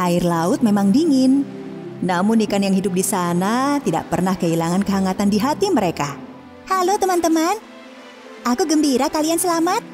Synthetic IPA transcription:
ʔaɪrlaʊt̪̚memaŋdiŋɪnː | amʊnːikanjaŋɦidʊp̚disanat̪ida̰ʔpərnahkəilaŋankəɦaŋat̪andiɦat̪iməɾeka | halot̪əmant̪əman | ʔakuɡəmbiɾakaliansəlamat̪̚

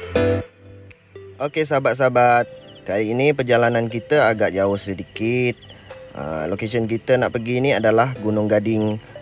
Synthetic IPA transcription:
ʔokesabat̪̚sabat̪̚kaliːnipərd͡ʒalanankit̪əaɡaʔd͡ʒaʊhsədikit̪̚ʔə̰lokes̬ənk̬it̪ənaʔpəɡiːniadalahɡunʊŋɡadɪŋ

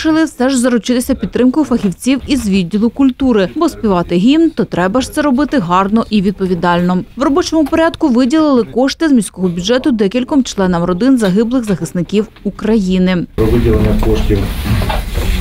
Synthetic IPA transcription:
ɪlˠɪsɛʒzɐɾʊt͡ʃɪt̪ɪsʲɐpʲid̪t̪ːɾɪmkɔjʊfɐxʲiwt͡sʲiwizʋʲidʲːilˠʊkʊlʲt̪uɾɪbɔspʲiʋɑt̪ɪɦʲint̪ɔt̪ɾɛbɐʃt̪sɛɾɔbɪt̪ɪɦɑrnɔʔiʋʲid̪̚pɔʋʲid̪ɑlʲnɔʋrɔbɔt͡ʃɔmʊpɔɾʲɑd̪kʊʋɪdʲilˠɪlˠɪkɔʂt̪ɪzmʲisʲkɔɦɔbʲʊdd͡ʒɛt̪ʊd̪ɛkʲilʲkɔmt͡ʃlˠɛnɐmrɔd̪ɪnzɐɦɪblˠɪxzɐxɪsnɪkʲiw | ukɾɐjinɪpɾɔʋɪdʲilˠenʲːɐkɔʃtʲiw

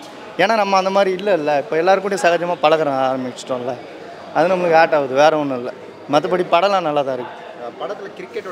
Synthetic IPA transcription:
eːnaːnɐmːɐɐnd̪ɐmaːd̪ɾiɪlːɐɪlːɐɪpːoːɛlːaːɾɯkːʊːɽɪjɐ̃sɐɣɐd͡ʒɐmaːpɐɭɐɣɐɾɐ̃ːaːɾmɪt͡ʃːʈːõɪlːɐ | ɐðɯnɐmːɐɭɯkːɯaːʈːaːʋɐðɯʋeːɾɐɔnːɯ̃ɪlːɐ | mɐt̪̬ːɐpɐɽipɐɽɐlãːnɐlːaːðãːɪɾɯkːɯðɯ | pɐɽɐt̪ːlkɪɾɪkː

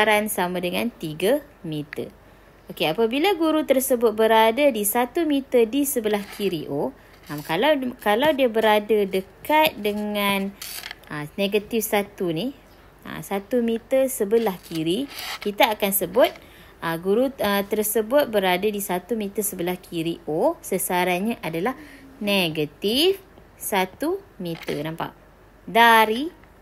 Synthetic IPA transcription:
ɾansamãdəŋant̪iɡa | mit̪ə̰ | okeapabilaɡuɾut̪ərsəbʊt̪̚bəɾadadisat̪umit̪ədisəbəlahkʰiɾiʔo | ʔamkalawkalawdiabəɾadadəkat̪̚dəŋanəneɡat̪ɪfsat̪unih | ə̰sat̪umit̪əsəbəlahkiɾikit̪aːkansəbʊt̪̚ | ʔəɡuɾuət̪ərsəbʊt̪̚bəɾadadisat̪umit̪əsəbəlahkʰiɾiʔosəsaɾanɲaʔadalahneɡat̪if | sat̪umit̪ə̰nampa̰ʔ | daɾi

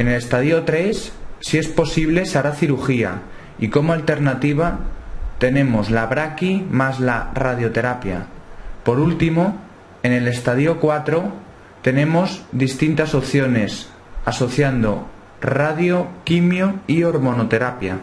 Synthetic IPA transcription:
enele̞st̪að̞io̞t̪ɾe̞sːie̞spo̞siβ̞le̞saɾaθiɾuxia̰ | iko̞moalt̪e̞ɾnat̪iβ̞at̪e̞ne̞mo̞zlaβɾakimazlarað̞jo̞t̪e̞ɾapja̰po̞ɾult̪imo | e̞ne̞le̞st̪aðio̞kwat̪ɾo̞ | t̪e̞nẽ̞mo̞zðist̪int̪aso̞pθjo̞ne̞s | aso̞θjand̪o̞ | raðjo̞kimjoio̞ɾmõ̞no̞t̪e̞ɾapja̰

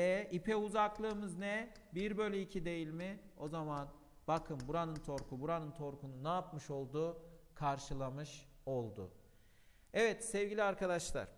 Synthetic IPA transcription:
ɛipʰɛuzaklˠɯːmɯznɛbiɾbølʲiicʰid̪e̞jilʲmɪo̞zaman | b̥akʰɯmbuɾanɯnt̪ʰo̞ɾkʰubuɾanɯnt̪ʰo̞ɾkʰununaːpmɯʃo̞lˠd̪uːkʰaɾʃɯlˠamɯʃ | o̞lˠd̪ʊ̰ | ɛvɛt̪sɛvɟilʲiaɾkad̪aʃlˠa̰ɾ̥

